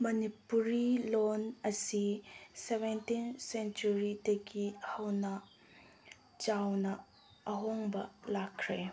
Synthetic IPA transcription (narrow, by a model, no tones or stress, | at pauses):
mɐnipuɾilonɐsisebentinsent͡ʃuɾidɐɡihɐwnɐ | t͡ʃawnɐ | ɐɦoŋbɐlakʰɾe